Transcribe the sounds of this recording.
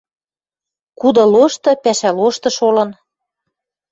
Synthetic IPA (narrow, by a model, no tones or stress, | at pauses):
kud̪ɤ̆loʃt̪ɤ̆pæʃæloʃt̪ɤ̆ʃolɤ̆n